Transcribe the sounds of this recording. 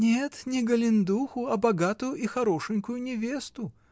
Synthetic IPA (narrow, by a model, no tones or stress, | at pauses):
nʲɛt̪nʲɛɡɐlʲind̪uxuɐbaɡat̪ujuʔixaɾɔʂɨnʲkujunʲɛvʲest̪u